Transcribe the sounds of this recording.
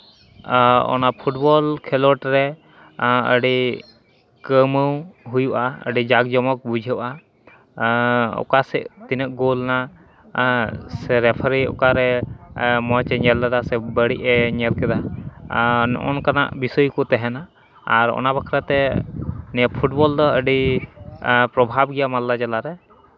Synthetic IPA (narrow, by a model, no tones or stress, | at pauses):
ɔ̰napʰuʈ̚bɔlkʰɛlɔʈɾɛ | ə̰ɖi | kəməwɦujuʔaə̰ɖid͡ʒaɡd͡ʒɔmɔk̚bud͡ʒʱəʔa | ɔ̰kasɛʔt̪inəʔ̚ɡolna | sɛɾɛpʰaɾiɔ̰kaɾɛ | mɔt͡ʃɛɲɛld̪ad̪asɛbəɽiʔɛɲɛlkɛd̪a | ʔɔ̰nkana̰ʔbisɔjukɔt̪ɛɦɛnaː | ɾɔ̰nabakʰɾat̪ɛ | nɛpʰuʈ̚bɔld̪ɔəɖi | pɾɔbʱabɡɛjamalːad͡ʒalaɾɛ